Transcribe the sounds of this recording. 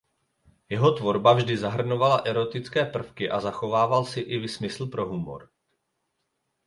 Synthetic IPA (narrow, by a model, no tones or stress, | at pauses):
jɛɦo̞t̪vo̞ɾbavʒdɪzaɦr̩novalaʔɛɾo̞t̪ɪt͡skɛːpr̩fkɪʔazaxo̞vaːvalsɪʔɪvɪsmɪsl̩pɾo̞ɦumo̰ɾ